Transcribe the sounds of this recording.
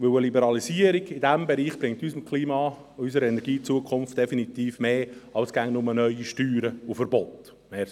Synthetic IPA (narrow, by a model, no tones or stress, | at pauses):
ʋɵwəlibɛɾɑlisiəɾiɡɪdæmbɛɾiːχb̥ɾɪŋtysmkʰliːmɑː | ysəɾɛnɛɾɡiːt͡suəkʰχʊnft̚d̥ɛfinit̪iːfmeːɑwsɡ̥æŋnʊmənœʏiʃtyːɾəʊfəɾbɔt̪ | meː